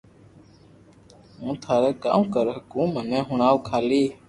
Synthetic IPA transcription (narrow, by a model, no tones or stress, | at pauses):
ɦũːt̪ʰaːɾɛːkã̰ːmkəɾɦəkũːmənɛ̃ːɦʊɳaːʋkʰaːliː